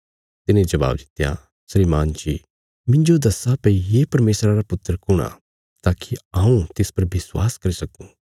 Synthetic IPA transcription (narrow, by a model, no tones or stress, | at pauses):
t̪ɪnẽd͡ʒɐba̰ːbd̪ɪt̪ja̰ | sɾiːmaːnt͡ʃi | mɪ̃ɲd͡ʒod̪ɐsapɐijeːpɐɾmeːsɾaɾapʊt̪ːəɾkʊɽ̃a̰ | t̪aːkʰiãːũt̪ɪspɐɾbɪswa̰ːskɐɾisɐkũː